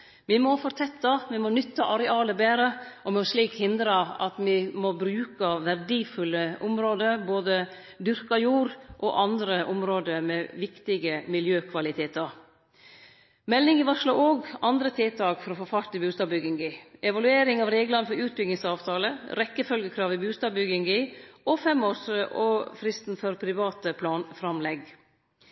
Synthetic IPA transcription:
mɪmɔfɔɾt̪ʰɛt̪ːɑʋɪmɔnʏt̪ːɑʔɑɾɛɑːləbeːɾəʔɔmɛɔʂɭiːkhɪnd̪ɾəɑ̰t̪mɪmɔbɾʉːkəʋæɾɖiːfʉlːəʊmɾoːd̪əɾboːd̪ə | d̪ʏɾkɑjuːɾʔɔ̰ʔɑnd̪ɾəʔʊmɾoːd̪əmɛʋɪkt̪ɪɡəmɪljøːkʰʋɑlɪt̪ʰeːt̪əɾ | mɛlːɪŋɪʋɑʂlɑʔoːɡɑnd̪ɾət̪ʰɪːt̪ʰɑːkfɔɾɔfɔfɑɾt̪ɪbʉːst̪ɑːbbʏɡɪŋɡɪɛʋɑlʉeːɾɪŋɑːʋɾeːɡlɑnəfɔɾʉːt̪̚bʏɡ̪nɪŋsɑːʋt̪ʰɑːləɾɛkːəfœlɡəkʰɾɑːʋɪbʉːst̪ɑːbbʏɡɪŋɡɪɔfɛmoːʂəʔɔfɾɪst̪n̩fɔɾpʰɾɪʋɑːt̪əpʰlɑːnfɾɑmlɛɡ

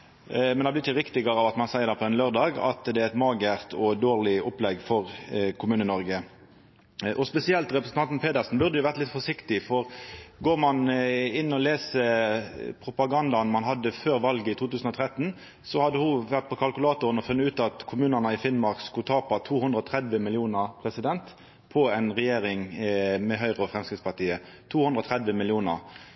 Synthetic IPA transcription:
mɛnd̪ɑblɪɪçəʁɪkt̪ɪɡəɾɑʋɑt̪mɑnsæɪəd̪ɛpʰɔɛnløːʁd̪ɑːɡɑ̰t̪d̪ɛæɾɪt̪mɑːɡæʁt̪ʰɔd̪oːʁlɪʔɔplɛɡfɔʁkʰʊmʉːnənɔɾɡə | ʔɔspɛsɪɛlt̪ʁɛpɾʁsn̩t̪ʰɑnt̪npʰeːd̪æsn̩bʉʁd̪əjʊʋæʁt̪lɪt̪fɔʂɪkt̪ɪfɔʁɡoːʁmɑnɪnːɔleːsə | pʰʁʊpɑɡɑnd̪ɑnmɑnɦɑd̪ːəføːɾʋɑlɡəɪt̪ʰuːt̪ʉːsn̩ɔt̪ʰʁɛt̪ːn̩ | sɔhɑd̪ːəhʊʋæʁt̪̚pʰɔkʰɑlkʉlɑːt̪ʊɾənɔfʉnːəʉːt̪ɑt̪kʰʊmʉːnənəɪfɪnmɑʁkskʊt̪ʰɑːpɑt̪ʰuːhʉnd̪ʁəɔt̪ʰʁɛd̪ʋəmɪljuːnəʁpʰʁɛsɪd̪ɛnt̪ | pʰɔɛɪnʁɛjeːɾɪŋmɛɦœʏʁəɔfʁɛmskʁɪt̪spɑʈ̪iːə | t̪ʰuːhʉnd̪ɾɔt̪ʰʁɛd̪ʋəmɪljuːnə̰ʁ

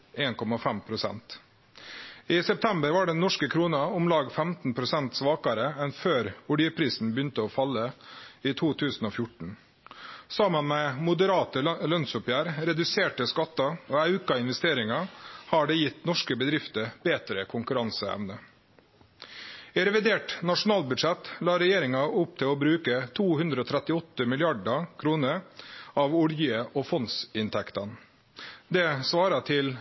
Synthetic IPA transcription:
eːnkʰɔmɑfɛmpʰɾʊsɛ̰nt̪ | ɪːsɛp̚t̪ʰɛmbəɾʋɑːɖɛnːɔʂkəkʰɾuːnɑʊmlɑːɡfɛmt̪n̩pʰɾʊsɛnt̪sʋɑːkɑɾəɛnføːɾʊɖɪəpʰɾiːsn̩bəjʏnt̪əoːfɑlːəiːt̪ʰuːt̪ʰʉːsn̩oːfjʊʈɳ̩ | sɑmənmɛmʊd̪əɾɑːt̪əlœnsʊpjæːɾɾɛd̪ʉseːʈəskɑt̪ːɑoːɑʉkɑɪnʋɛst̪eːɾɪŋɑhɑɖɛjɪt̪nɔʂkəbəd̪ɾɪft̪əbeːt̪ɾəkʰʊŋkʉɾɑnsəɛ̰ʋnə | ɪɾɛʋɪd̪eːʈnɑʂʊn̩ɑːlbʉd̪ʂɛt̪lɑːɾɛjeːɾɪŋɑʔʊp̚t̪ʰɪloːbɾʉːkət̪ʰuːhʉnd̪ɾəoːt̪ʰɾɛt̪ɪɔt̪ːəmɪlɪɑɖɑkʰɾuːnəɾɑʋʊljəʔɔfɔnsɪnt̪ʰɛkt̪ɑn | d̪ɛsʋɑːɾɑʈʰɪl

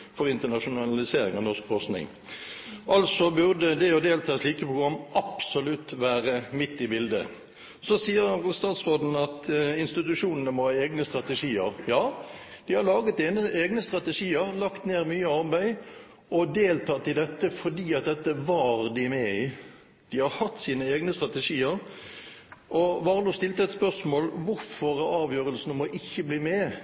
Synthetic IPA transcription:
fɔʁɪnt̪ənɑʂʊnɑlɪseːɾɪŋɑʋnɔʁskfɔʁsnɪ̰ŋ | ʔɑlsɔbʉʁd̪əd̪ɛɔd̪eːlt̪ʰɑːsliːkəpʰʁʊɡʁɑmːʔɑpsɔlʉt̪ʋæːʁəmɪt̪ːɪbɪld̪ə̰ | sɔsiːəɾst̪ɑːt̪sʁoːd̪n̩ɑt̪ɪnst̪ɪt̪ʉʂuːnənəmɔhɑːeːɡnəst̪ʁɑt̪əʂiːə̰ɾjɑːd̪̥ɪhɑɾlɑːɡət̪ɛnəeːɡnəst̪ɾɑt̪əʂiːəɾlɑkt̪neːɾmyːəɑɾbæɪ | ɔd̪eːlt̪ʰɑːt̪ːɪd̪ɛt̪ːəfɔd̪iːɑt̪̚d̪ɛt̪ːəʋɑɾd̪ɪmɛɪ | d̪̥ɪhɑɾhɑt̪ːsiːnəeːɡnəst̪ʁɑt̪əʂiːəɾ | ʔɔʋɑːʁəluːst̪ɪlt̪əɛt̪spœʁsmoːlʋʊɾfɔɾæɑːʋjøːɾəlsnmɔʔɪçːəbliːmɛ

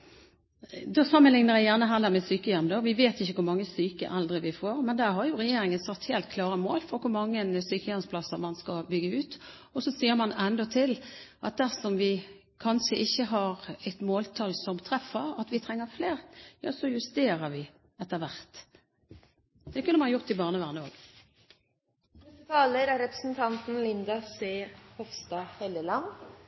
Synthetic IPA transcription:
d̪oːsɑmːənlɪŋnəʁæɪjæʁnəɦæːʁd̪æmɛsyːkəjɛmd̪oʋɪʋeːt̪ɪçːəkʊɾmɑŋːəsyːkə̰ʔɛld̪ɾəʋɪfoːɾmɛnd̪æʁɦɑɾjʊɾɛjeːɾɪŋənsɑt̪ːheːlt̪̚kʰlɑːɾəmoːlfɔɾkʊɾmɑŋːənsyːkəjɛnspʰlɑsəmɑnskɑbʏɡəʉːt̪ | ɔsɔsiːəɾmɑnɛnd̪ɔt̪ʰɪlʔɑt̪̚d̪æʁsɔmʋɪ | kʰɑnʂəʔɪçːəɦɑɾɛt̪moːlt̪ʰɑlsɔmt̪ʰɾɛfəɾɑt̪ʋɪt̪ʰʁɛŋːəɾfleːʁjɑ̰ːsɔjʉst̪eːɾəɾʋɪ | ɛt̪ːəɾʋæʁt̪ | d̪̥ɛkʉnːəmɑnɑjʊʁt̪ɪbɑːʁnəʋæʁnəo̰ːɡ | ɛt̪ʰɑːləɾæɾɛpɾə̥sn̩t̪ʰɑnt̪n̩lɪnd̪ɑseːhɔfst̪ɑːhɛləlɑn

